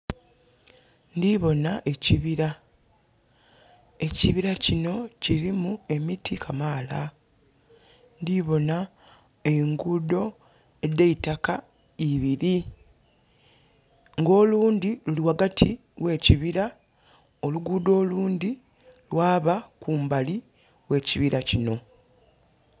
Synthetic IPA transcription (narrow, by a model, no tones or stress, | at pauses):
ndiβo̞naʔe̞ciβiɾa | e̞ciβiɾacino̞ciɾimue̞mitʰikʰamaːla | ndiβo̞na | e̞ŋɡudo̞ | e̞dːeitaka | iβiɾi | ŋɡo̞ːluːndiluliwaɡatʰi | we̞ːciβiɾa | o̞luɡuːdo̞ːluːndi | lwaːβakuːmbali | we̞ːciβiɾacino̞